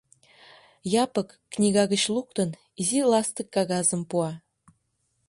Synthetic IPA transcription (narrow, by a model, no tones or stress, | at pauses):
jɑpɤ̆kːnʲiɡɑɡə̆t͡ɕlˠuk̚t̪ɤ̆n | izʲilˠɑst̪ə̆kːɑɣɑzə̆mpuɑ